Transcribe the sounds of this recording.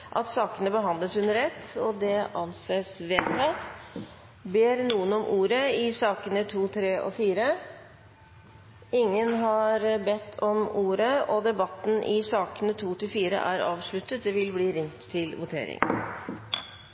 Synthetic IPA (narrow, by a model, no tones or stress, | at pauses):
ʔɑ̰t̪sɑːkənəbəɦɑnd̪ləshʉnəɾɛt̪ːɔd̪ɛʔɑnseːsʋeːt̪ʰːɑt̪ | beːɾnuːənɔmʔuːɾəɪsɑːkənət̪ʰuːt̪ʰɾeːʔɔ̰fiːɾə | ɪŋːənɦɑɾbɛt̪ʰːɔmuːɾəɔd̪ɛbɑt̪ːn̩ʔɪsɑːkənət̪ʰuːt̪ɪlfiːɾə̰ʔæ̰ɾɑːʋʂɭʉt̪ːət̪̚d̪ɛʋɪlbliːɾɪŋt̪t̪ʰːɪlʋʊt̪ʰḛːɾɪ̰ŋ